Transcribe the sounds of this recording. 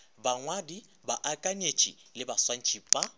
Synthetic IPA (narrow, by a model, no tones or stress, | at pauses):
baŋwadi | baʔakʼaɲet͡ʃʼilɪbaswan̩t͡ʃʼiːpʼa